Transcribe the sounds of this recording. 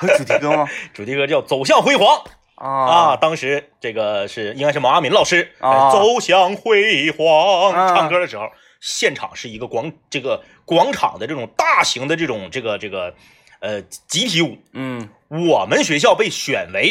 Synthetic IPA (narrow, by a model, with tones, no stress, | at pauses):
u˨˩t̪ʈ͡ʂu˨˩t̪ʰi˥kʰɤ˥t͡ɕjɑ˥˩ʊt͡so˨˩ʊɕ̬jɑ˥˩ŋxwe˥ɪxwɑ˧˥ŋ˧ | ɐ˧t̪ɑ˥ŋʂɻ̩˧˥ʈ͡ʂɤ˥˩ɡə˩ʂɻ̩˥˩i˥ŋka˥ɪʂ̩ɻma˧˥a˥mi˧˥nlɑ˨˩ʊʂɻ̩˥˧˩t͡so˧˥ʊɕjɑ˧˥ŋxwe˥ɪxwɑ˧˥ŋʈ͡ʂʰɑ˥˧ŋkʰɤ˥d̪ə˨ʂɻ̩˧˥xo˥˧˩ʊ | ɕjɛ˥˩nʈ͡ʂʰɑ̰˨˩ŋʂɻ̩˥˩i˧˥ɡə˧kwɑ˧˥ŋʈ͡ʂɤ˥˩ɡə˩ | kwɑ˧˥ŋʈ͡ʂʰɑ̰˨˩ŋd̪ə˦ʈ͡ʂɤ˥˩ʈ͡ʂʊ˨˩ŋt̪a˥˩ɕi˧˥ŋd̪ə˧ʈ͡ʂɤ˥˩ʈ͡ʂʊ˨˩ŋʈ͡ʂɤ˥˩ɡə˩ʈ͡ʂɤ˥˩ɡə˩ | ə˧t͡ɕi˧˥p̪ʰi˧˥u˨˩ | wɔ˨˩mə˦nɕɥɛ˧˥ɕjɑ˥˧ʊpe˥˩ɪɕɥɛ̰˨˩nwe˧˥ɪ